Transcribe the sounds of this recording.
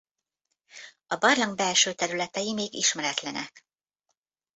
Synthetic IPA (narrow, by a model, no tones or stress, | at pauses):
ɒbɒrlɒŋbɛlʃøːt̪ɛɾylɛt̪ɛjimeːɡiʃmɛɾɛt̪lɛnɛ̰k